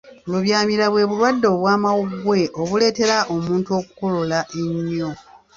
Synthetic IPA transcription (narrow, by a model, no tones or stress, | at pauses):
luβjaːmiɾaβwe̞ːβulwadːo̞βwaːmawuɡwe̞ʔo̞βule̞ːte̞ɾaʔo̞muːntuo̞ːku̥ko̞lolaʔeɲːo̞